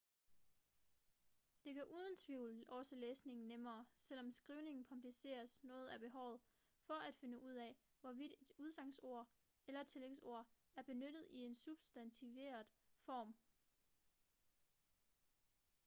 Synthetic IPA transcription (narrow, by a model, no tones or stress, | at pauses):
d̥e̝kʰæʔuːð̞ˠən̩t͡sʰʋiʊ̰lʔɒ̽səleːsne̝ŋn̩nemɐːsel̰ɒ̽msɡ̥ʁiːʊne̝ŋn̩kʰɒ̽mpʰlise̝̰ːɐsnɔ̽ːð̩ˠæb̥e̝ɦɒʊ̰ð̩ˠ | fɒ̽ʔæd̥fe̝nəʔuð̞̰ˠɛ | ʋɒʋid̥ed̥uð̞ˠsɑ̈ŋ̰so̝ɐ̰ | elɐt͡sʰe̝leŋso̝ɐ̰ | æɐb̥e̝nød̥ð̞̩ˠie̝nsub̥sd̥ænt͡sʰiʋe̝̰ːɐð̩ˠfɒ̰ːm